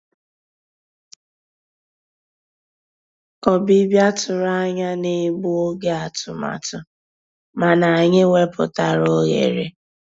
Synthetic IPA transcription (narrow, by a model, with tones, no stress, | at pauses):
ɔ˨bi˦bja˦tʊ˨ɾa˦ɲa˦ne˦ɡ͡bu˦o˦ɡe˦a˨tʊ˨ma̰˨tʊ˨ | ma˨na˨ɲɪ˦ŋe˦pʊ̰˨ta˨ɾo˦ɣḛ˨ɾe˦